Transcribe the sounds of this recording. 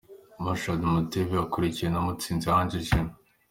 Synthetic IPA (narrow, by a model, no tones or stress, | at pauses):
maʃadumuteviakuɾicijenomut͡siːnzihaːnd͡ʒiʒinu